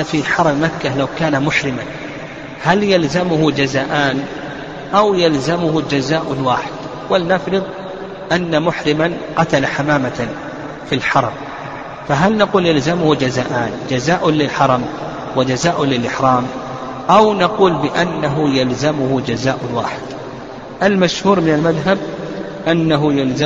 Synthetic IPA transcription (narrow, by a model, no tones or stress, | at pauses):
fiħɑɾˤɑmmakːalawkaːnamʊħɾɪman | haljalzamʊhʊd͡ʒazaːʔaːn | ʔawjalzamʊhʊd͡ʒazaːʔnwaːħɪd̪̥ | walnafɾɨðˤ | ʔanːamʊħɾɪman | qɑt̪alaħamaːma | filħɑɾˤɑm | faɦalnaquːljalzamʊhud͡ʒazaːʔaːnd͡ʒazaːʔʊnlɪlħɑɾˤɑm | wad͡ʒazaːʔʊnlɪlʔɪħɾɑːm | ʔawnaquːlbɪʔanːaɦʊjalzamʊhʊd͡ʒazaːʔʊnwa̰ːħɪd̪ | ʔalmaʃhuːɾmɪnalmaðɦab̚ | ʔanːaɦʊjalz